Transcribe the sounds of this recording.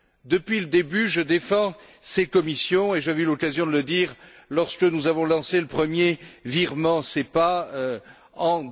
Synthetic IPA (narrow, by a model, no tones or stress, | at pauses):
d̪əpɥiləd̪ebyʒəd̪efɑ̃ | sekɔmisjɔ̃eʒaveylɔkazjɔ̃d̪ələd̪iʁ | lɔʁsə̥kənuzavɔ̃lɑ̃seləpχəmjeviʁmɑ̃sɛpaø | ɑ̃